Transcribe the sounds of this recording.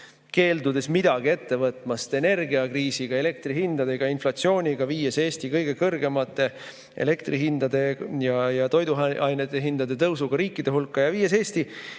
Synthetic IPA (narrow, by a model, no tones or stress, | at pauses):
ke̞ːld̪̥ud̪̥e̞smid̪̥ɑɡ̥ie̞t̪ːe̞vɤt̪ˑmɑst̪e̞ne̞rɡiɑkriːsiɡ̥ɑe̞le̞k̚t̪rihind̪̥ɑd̪e̞ɡ̥ɑinflɑt̪sio̞ːnʲiɡ̥ɑviːese̞ːst̪ikɤjɡ̥e̞kɤrɡe̞mɑt̪ːˑe̞ | ḛle̞kt̪riɦind̪̥ɑd̪e̞jɑjɑt̪o̞jd̪uɑjnet̪ːˑeɦind̪̥ɑd̪e̞t̪ɤwsuɡ̥ɑɾiːkːˑid̪̥e̞ɦulkːɑjɑviːese̞ːsʲt̪i